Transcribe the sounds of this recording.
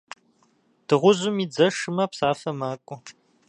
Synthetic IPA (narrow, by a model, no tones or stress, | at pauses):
d̥ɨʁʷʊʑʊmiːd͡zɐʂɨmɐpsaːfɐmaːkʷʼʊ